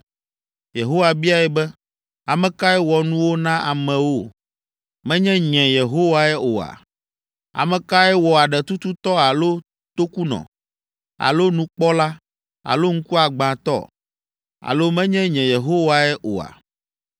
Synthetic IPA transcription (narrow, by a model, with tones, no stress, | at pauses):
je˨ɦo˦wa˨bi˦a˨ɛ˦bɛ˦ | a˨mɛ̃˨ka˦ɛ˦wɔ˨nũ˦wo˦nã˦ʔa˨mɛ̃˨wo˦ | mɛ̃˦ɲɛ̃˦ɲɛ̃˨je˨ɦo˦wa˦ɛ˦ʔo˨a̰˨ | a̰˨mɛ̃˨ka˦ɛ˦wɔ˨a˨ɖɛ˨t̪u˦t̪u˦t̪ɔ˦a˨lo˦ | t̪o˦ku˦nɔ̰̃˨ | a̰˨lo˦nũ˦k͡pɔ˦la˦ | a̰˨lo˦ŋ̩˦ku˦a˨ɡ͡bã˨t̪ɔ̰˦˨ | a̰˨lo˦mɛ̃˦ɲɛ̃˦ɲɛ̃˨je˨ɦo˦wa˨ɛ˦ʔo̰˨a̰˨